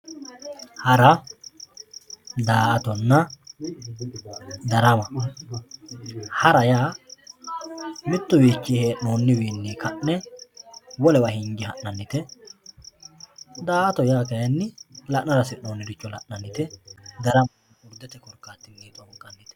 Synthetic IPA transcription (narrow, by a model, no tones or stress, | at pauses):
hɐɾɐ | d̪aːʔt̪ɔnːɐ | d̪ɐɾɐmɐ | hɐɾɐjaː | mɪt̪ːʊbiːt͡ʃːihɛnoːnːɪwiːnːɪkɐʔnɛ | wɔlɛwɐhɪŋɡɪhɐʔnɐnːɪt̪ɛ | d̪aːɐt̪ɔjaːkɐjɐnːɪlɐʔnɐɾɐsɪnoːnːɪd̪ɪt͡ʃːɔlɐ̰ʔnɐnːɪt̪ɛd̪ɐɾɐmɐ | ʊɾd̪ɛt̪ɛkɔɾkːaːt̪ːɪnɡiːt̪wɐmɐkʼːɐnːɪt̪ɛ̥